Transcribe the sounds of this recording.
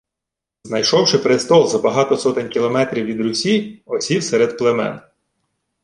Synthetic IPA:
znɐjʃɔwʃɪpɾɪst̪ɔlˠzɐbɐɦɑt̪ɔsɔt̪ɪnʲkʲilˠɔmɛt̪ɾʲiwʋʲid̪ɾʊsʲiɔsʲiwsɛɾed̪plˠemɛ̰n

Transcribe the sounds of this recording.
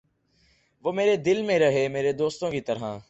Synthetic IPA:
ʋoːmeːɾed̪ɪlmẽɾɐɦeːmeːɾed̪oːst̪õkit̪ɐɾ̤ãː

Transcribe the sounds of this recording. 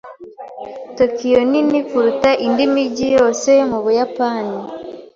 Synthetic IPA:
to̞kijoninifuɾutaʔindimiɟijo̞ːse̞muβujapaːni

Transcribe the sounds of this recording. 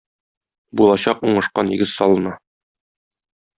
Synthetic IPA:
bulˠɑɕɑquɴɤ̆ʃqɑnjɘ̰̆ɡɘzsɒlˠɤ̆nɑ

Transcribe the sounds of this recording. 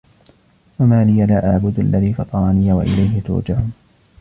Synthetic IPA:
wamaːlɪjalaːʔaʕbʊd̪ʔalːaðiːfɑt̪ˤɑɾˤɑnɪjawaʔɪ̰lajɦɪt̪ʊ̰ːd͡ʒahʊm

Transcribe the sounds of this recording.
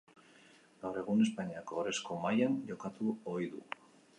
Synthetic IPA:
ɡawɾe̞ɣ̞une̞spaɲiakoɾe̞sko̞majanʝo̞kat̪uojðṵ

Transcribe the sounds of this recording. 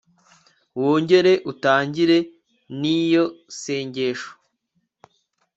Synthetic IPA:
woːɲɟe̞ɾe̞ʔutaːɲɟiɾe̞ | nijo̞se̞ːɲɟe̞ːʃo̥

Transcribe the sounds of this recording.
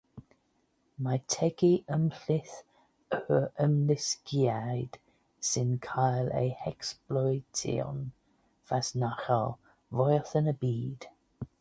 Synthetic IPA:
majtʰɛɡiʔəmɬɪθ | əəmlɪskiajd̥ | sɪnkʰajlḛjhɛksplɔjtʰḭɔ̰n | v̥asnaxəlˠ | vɔjθənəbiːd̥

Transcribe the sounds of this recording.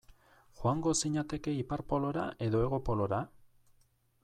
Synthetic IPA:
xwaŋɡo̞siɲat̪e̞ke̞ipaɾpo̞lo̞ɾaʔe̞ðo̞e̞ɣ̞o̞po̞lo̞ɾa

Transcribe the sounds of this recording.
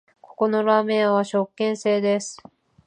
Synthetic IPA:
ko̞̥ko̞no̞ɾaːmẽ̞ɰãβaɕo̞kːẽ̞ɰ̃se̞ːd̪e̞sɨ̥

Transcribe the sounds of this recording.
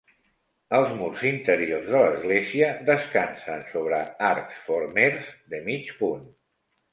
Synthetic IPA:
əlˠzmuɾzint̪əɾiorzðələzɣleziəðəskansənsoβ̞ɾəaɾksfoɾmeɾzd̪əmit͡ʃpun

